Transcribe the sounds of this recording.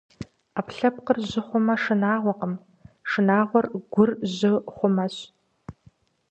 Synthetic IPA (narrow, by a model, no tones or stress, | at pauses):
aːpɬɐp̚qərʑɪχʷʊmɐʂɨnaːʁʷɔqəm | ʂɨnaːʁʷɔrɡʷʊrʑɪχʷʊmɐɕ